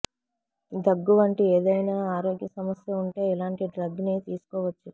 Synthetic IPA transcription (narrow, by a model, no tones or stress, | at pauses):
d̪ɐɡːuʋɐɳʈieːd̪ɐjnaːaːɾo̞ːɡjɐsɐmɐsjɐuɳʈe̞ːilaːɳʈiɖɾɐɡːniːt̪iːsu̥kɔːʋɐt͡ʃːu